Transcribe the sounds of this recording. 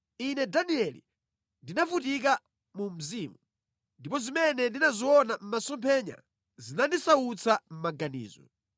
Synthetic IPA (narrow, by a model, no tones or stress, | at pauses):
inɛdaniɛlḭ | ndinavut̬ik̬a | mum̩ziːmu | ndipɔzimɛnɛndinaziɔnam̩masɔmpʰɛɲa̰ | zinandisaut͡sʰam̩maɡanḭːzɔ̰